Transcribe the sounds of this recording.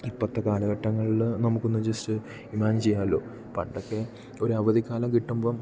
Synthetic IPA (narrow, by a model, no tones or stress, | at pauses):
ipːɐt̪ːɐkaːɭɐɣɐʈːɐŋːɐɭilnɐmukːonːud͡ʑɐstɨ | imaːnt͡ɕejːaːlo̞̰ː | pɐ̰ɳɖokːe̞ | o̞ɾuɐʋɐðikːaːlɐmkiʈːumboː